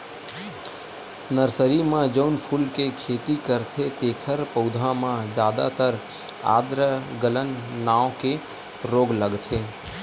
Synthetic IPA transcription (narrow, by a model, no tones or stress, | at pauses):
nəɾsəɾimãd͡ʒəʊnpʰuːlkekʰeːt̪ikəɾt̪ʰet̪eːkʰəɾpəʊd̪ʱãmãd͡ʒjaːd̪a̰t̪əɾ | a̰ːd̪ɾəɡələnːaːoke | ɾoːɡləɡt̪ʰeː